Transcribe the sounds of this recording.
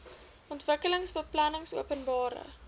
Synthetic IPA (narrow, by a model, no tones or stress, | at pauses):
ʔɔntvəkələŋsbəplɐnəŋsuəpənbɑːɾə̰